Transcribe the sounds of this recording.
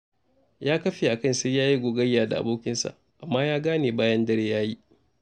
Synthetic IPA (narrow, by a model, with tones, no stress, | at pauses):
jaː˦kɐ˦ɸeː˨ʔa˨kɐ˦˨nsa˦jaː˦ji˦ɡʷoː˨ɡɐ˦jːaː˨da̰˨ʔa̰˨boː˦kʲɪ˦nsa̰˨ʔ | ʔa˨mːaː˦jaː˦ɡaː˦neː˨baː˦jɐ˦ndɐ˦ɽeː˦jaː˦ji˦ʔ